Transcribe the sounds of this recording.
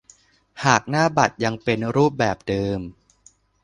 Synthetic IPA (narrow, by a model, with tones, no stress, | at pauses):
haː˨˩k̚naː˥˩ba˨˩t̪̚ja˧ŋpe˧nɾuː˥˩p̬̚bɛː˨˩p̚dɤː˧m